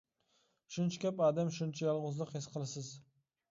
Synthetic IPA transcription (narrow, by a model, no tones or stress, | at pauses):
ʃʊnt͡ʃʰkʲʰapad̪amʃʊnt͡ʃʰajɒlˠʁʊzlˠɨqhesqʰɨlˠɪsɪz